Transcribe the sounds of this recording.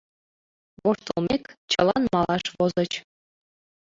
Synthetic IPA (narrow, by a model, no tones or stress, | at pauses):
ʋoʃt̪ɤ̆lˠmʲekʲt͡ɕɤ̆lˠɑnmɑlˠɑʂʋozɤ̆t͡ɕ